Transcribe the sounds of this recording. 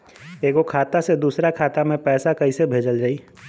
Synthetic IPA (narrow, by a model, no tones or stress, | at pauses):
eːkokʰaːt̪ased̪uːsɾakʰaːt̪amẽpɛːsakɐisebʱeːd͡ʒəld͡ʒaːiː